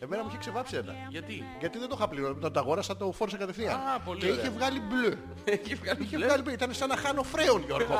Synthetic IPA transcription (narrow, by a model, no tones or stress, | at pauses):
emenɐmuiçekse̞vɐpsienɐ̰ʝɐt̪i | ʝɐt̪iðend̪oxɐpliɾomet̪ond̪ɐɣo̞ɾɐsɐt̪ofoɾoseɡɐt̪efθiɐpolieiçe̞vɣɐliblø | içevɣɐliçeɣɐliblit̪ɐnesenɐxɐno̞fɾe̞onʝoɾɣo